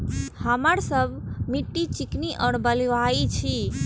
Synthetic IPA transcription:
həmaɾsəbʱmiʈːit͡ʃikniʔɔːɾbəliʋait͡ʃʰi

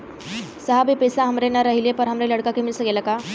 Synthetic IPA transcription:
səɦabʱipesaɦəmɾenːaɾəɦilepəɾɦəmɾeləɽkakemilsəɡelaka

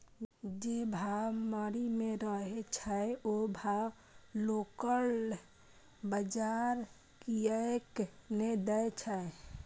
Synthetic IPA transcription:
d͡ʒebʱaməɾimẽɾəɦet͡ʃʰaeobʱa | lokəl | bəd͡ʒaɾ | kiəekned̪əet͡ʃʰae

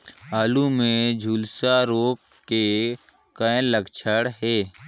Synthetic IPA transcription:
aːlumẽd͡ʒʱuːlsaɾoːk | kːe | kəẽləkt͡ʃʰəɽɦeː

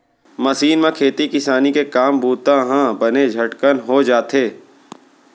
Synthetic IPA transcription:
mɐsiːnmẽkʰeːt̪ikɪsaːnikekaːmbuːt̪ãɦãbɐned͡ʒʱɐʈkənɦod͡ʒaːt̪eː

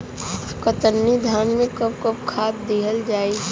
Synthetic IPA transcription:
kət̪ənːid̪ʱaːnmẽkəb̚kəb̚kʰaːt̪̚d̪iɦəld͡ʒaːi

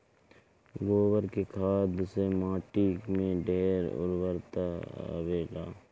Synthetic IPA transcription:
ɡoːwəɾkekʰaːd̪semãːʈikmẽɖeːɾʊ̰ɾwəɾt̪a̰weːla̰ː

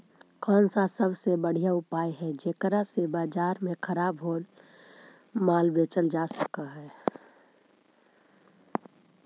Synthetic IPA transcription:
kɔːnsasəbsebəɽ̤ijaʊpaːjɦɛd͡ʒeːkɾasebaːd͡ʒaːɾmẽkʰəɾaːbɦoːl | maːlbet͡ʃəld͡ʒaːsəkaɦɛː

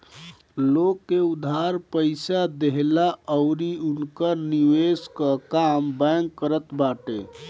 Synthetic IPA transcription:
lokːeud̪ʱaɾpəɪsad̪eɦlaəʊɾiunkəɾniweskəkambɛŋkːəɾət̪baʈḛ

